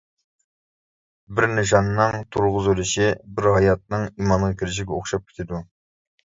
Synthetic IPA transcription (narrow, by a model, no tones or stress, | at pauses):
bɪɾnɪʃ̬ɑnːɨŋt̪ʰuɾʁʊzylɪʃibɪɾɦɑjɑt̪̚nɨŋimɑnʁɑkʲʰiɾɪʃ̬iɡʲɛoχʃɑp̚kʲʰe̥t̪ʰɪd̪u